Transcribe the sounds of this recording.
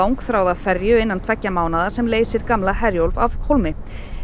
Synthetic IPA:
awŋkθɾaːwðafɛɾjʏɪnːant̪ʰvɛcːamaːwnaðaɾ̥sɛmleːjsɪɾkamlaɦɛɾjowlvavhowlmɪ

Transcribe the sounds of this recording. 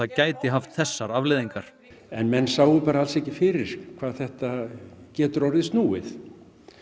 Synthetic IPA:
acaːjt̪ɪɦaft̪θɛsːaɾavlɪðiŋkaɾ̥ | ɛnmɛnːsaːwʏpaːɾaalsɛhcɪfɪɾɪɾ̥kʰv̥aːðθɛht̪acɛːt̪ʏɾɔɾɪðst̪nuːɪ̰θ

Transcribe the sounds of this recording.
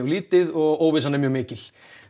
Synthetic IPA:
ɣliːt̪ɪðɔɣoːwvɪsanɪmjœːɣmɪːcɪl̥

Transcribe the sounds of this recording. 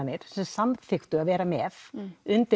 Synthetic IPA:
nːɪɾ̥sɛmsamθɪxt̪ʏaðvɛːɾamɛθʏnt̪ɪ

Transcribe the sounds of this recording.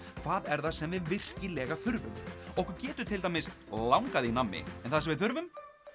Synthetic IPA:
kʰvaːðɛɾθasɛmvɪðvɪr̥cɪlɛːɣaθʏɾvʏmɔhkʏɾcɛːt̪ʏt̪ʰɪlt̪amɪst̪lawŋkaðɪinamːɪ̰ɛnθasɛmvɪðθʏɾvʏm

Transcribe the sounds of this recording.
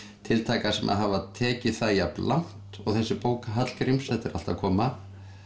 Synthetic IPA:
t̪ʰɪlt̪ʰaːjkasɛmʔa̰ðɦavat̪ʰɛːcɪθajaplan̥t̪ɔɣθɛsːɪpoːwkaɦat̪l̥kɾimsɛt̪ɪɾa̰lt̪a̰vkʰɔːma

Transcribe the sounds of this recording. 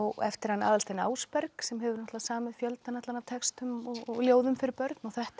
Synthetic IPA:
ɔɣɛ̰ft̪ɪɾ̥hanːaːðalst̪ejna̰ːwspɛɾksɛmɦɛvʏɾnɔht̪lasaːmɪðfjœlt̪nanat̪anavt̪ʰɛkst̪ʏmɔɣɔɣljoːwðʏmfɪɾɪɾpœɾt̪nawθɛht̪

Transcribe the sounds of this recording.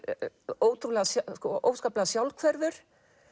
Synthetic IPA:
oːwt̪ʰɾulɛɣasakɔʔo̰ːwskaːplaɣasjawlkʰvɛɾðʏɾ̥

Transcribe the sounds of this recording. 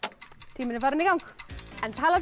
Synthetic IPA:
tʰiːmənəvaɾənɪɡɔwŋkəntʰalˠɔd

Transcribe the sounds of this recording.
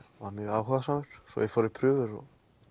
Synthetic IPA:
vamjœɣaːwhɔðasaːmʏɾ̥sɔ̰jɛfɔːɾɪɾpʰɾʏːvʏɾɔ̰

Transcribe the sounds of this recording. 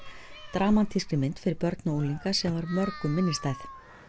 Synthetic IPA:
t̪ɾaːmant̪ʰiskɾɪmɪnt̪fɪɾɪɾpœɾt̪nauliŋkasɛmvaɾmœɾkʏmːɪnːɪst̪ajθ

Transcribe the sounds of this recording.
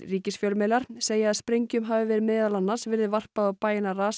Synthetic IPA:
riːcɪsfjœlmɛːlaɾ̥seːjaaðspɾejɲcʏmɦaːvɪvɛːɾɪmɪːðalanːḁsvɪɾðɪvar̥paðaðpaːjɪnaraːs

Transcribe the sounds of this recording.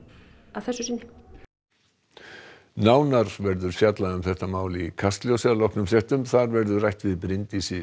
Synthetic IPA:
aðθɛsʏsɪn | naːwnaɾvɛɾðʏɾ̥fjat̪laðʏmθɛht̪amaːwlɪikʰast̪ljowsɛðlɔhknʏmsjɛht̪ʏmθaɾvɛɾðʏrajht̪vɪðpɾɪnt̪isɪ

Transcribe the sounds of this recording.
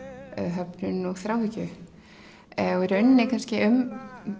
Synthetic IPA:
œ̰ðɦœpnʏnɔɣθɾawhɪcʏ | ɔiɾœɥnnɪkʰanscɪʔʏm

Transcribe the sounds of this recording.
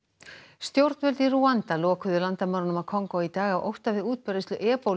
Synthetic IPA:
st̪jowɾt̪nvɛlt̪iruant̪alɔːkʏðʏlant̪amawɾnʏmawkʰɔŋkowit̪aːɣawʔowht̪avɪðuːt̪̚pœɾɪst̪ʏʔɛːpow

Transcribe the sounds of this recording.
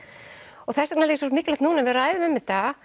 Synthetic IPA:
ɔɣθɛsːḁnalcːs̬oɾt̪mɪkːlat̪nuːnavɪɾaːjðʏmɛmːɪt̪ːa

